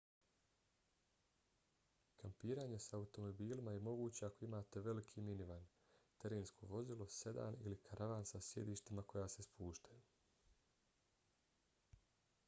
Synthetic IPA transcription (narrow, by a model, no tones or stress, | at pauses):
kampiːɾaːɲe̞saːut̪o̞mo̞biːlimaje̞mo̞ɡuːt͡ɕe̞ako̞imaːt̪e̞ʋe̞likʰiminiʋan | t̪e̞ɾeːnskʰo̞̰ʋo̞zilˠose̞d̪a̰ːnḭlikʰaɾʔaʋaːnsasje̞̰d̪iːʃt̪imako̞jaːse̞spʰuːʃt̪aju